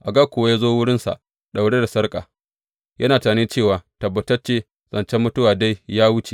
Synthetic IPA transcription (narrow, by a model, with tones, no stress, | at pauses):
ʔa˨ɡɐ˦kʷʊ˨wa˦jaː˦zoː˦wʊ˦ɽɪ˦nsa̰˨ʔ | ɗa˨wɽe˦da˨sɐ˦rkʼaː˨ | jʔɐ˦naː˨taː˨neː˦t͡ʃeː˦˨waː˨tɐ˨bːɐ˨tɐ˦t͡ʃeː˦ | z̥ɐ˨nt͡ʃɛ˦mːʊ˦tʊ˦waː˨da˦jjaː˦wʊ˦t͡ʃe˨